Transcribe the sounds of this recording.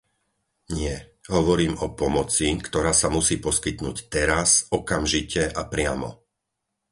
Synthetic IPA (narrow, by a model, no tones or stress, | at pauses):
ɲɪɛɦɔʋɔɾiːmɔpɔmɔt͡sikt̪ɔɾaːsamusiːpɔskit̪nṵːct̪ɛɾasɔkamʒicɛʔapɾɪamɔ̰